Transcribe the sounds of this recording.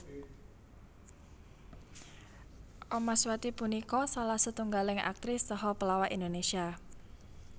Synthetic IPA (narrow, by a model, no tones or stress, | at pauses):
ʔɔmaswat̪ipunikɔsalahsət̪uŋɡalɪŋa̰k̚t̪ɾɪst̪əɦɔpəlawaʔind̪onesia